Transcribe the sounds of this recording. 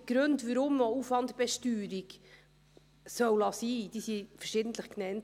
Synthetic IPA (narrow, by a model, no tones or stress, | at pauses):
ɡ̥ɾɵntʋəɾʊmːoufʋɑntb̥ɛʃtyːɾiɡ | sœwlɑsiːd̥isifəɾʃɪdən̩t̪ləχknɛnt